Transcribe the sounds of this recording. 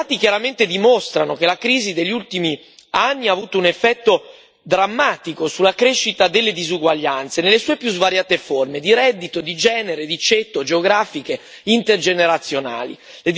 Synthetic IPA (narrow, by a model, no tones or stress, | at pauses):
aːt̪ikjaɾament̪ed̪imost̪ɾanok̟elakɾiːzid̪eʎːiult̪imi | anːiaːvuːt̪ounefːɛt̪ːo | d̪ɾamːaːt̪ikosulːakɾeʃːit̪ad̪elːed̪izuɡwaʎːant̪senelːesuːepjuzvaɾjaːt̪eformed̪iɾɛd̪ːit̪od̪id͡ʒɛːneɾed̪it͡ʃet̪ːod͡ʒeoɡɾaːfike | int̪erd͡ʒeneɾat̪sːjona̰ːlḭ | le